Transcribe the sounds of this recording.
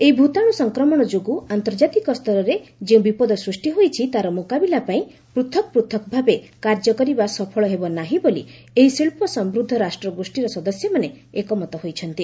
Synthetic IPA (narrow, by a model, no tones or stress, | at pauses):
eibʱut̪aɽ̃usɔŋkɾɔmɔɽ̃ɔd͡ʒoɡuant̪ɔɾd͡ʒat̪ikɔst̪ʰɔɾɔɾed͡ʒeũbipɔd̪ɔsɾusʈiɦojt͡ʃʰit̪aɾɔmokabilapaĩ | pɾut̪ʰɔk̚pɾut̪ʰɔkɔbʱabekaɾd͡ʒɔkɔɾibasɔpʰɔɭɔɦebɔnaɦĩbolḭ | eɦisiɭpɔsɔmbɾud̪ʱːɔɾasʈɾɔɡosʈiɾɔsɔd̪ɔsjɔmane | ekɔmɔt̪ɔɦojt͡ʃʰɔnt̪i